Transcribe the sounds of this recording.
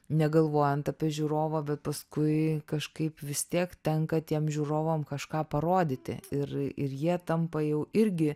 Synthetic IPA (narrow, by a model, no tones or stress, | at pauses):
nʲɛɡɐlˠʋoːjɛnt̪ɐpʲiɛʒʲʊɾoːʋɐːbʲɛt̪̚pɐskʊɪkɐʃkɐɪpʋʲɪst̪ʲiɛkt̪ʲɛŋkɐt̪ʲiɛmʒʲuːɾoːʋɐmkɐʃkɑːpɐɾoːd̪ʲɪt̪ʲɪ̰ɪrɪ̰rjiɛt̪ɐmpɐjɛʊɪɾʲɡʲɪ